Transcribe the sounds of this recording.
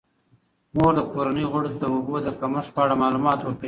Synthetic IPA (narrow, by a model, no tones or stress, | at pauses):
moɾd̪əkoɾanəjɣʊɽod̪əʊbod̪əkaməʂpəaɽamɑlumɑt̪wəkə